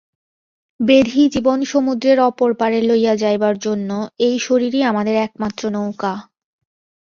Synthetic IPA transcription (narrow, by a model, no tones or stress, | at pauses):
bed̪ʱid͡ʑibonʃomud̪ɾeɾɔpoɾpaɾelojad͡ʑajbaɾd͡ʑonːoejʃoɾiɾiamad̪eɾɛk̚mat̪ːɾonowka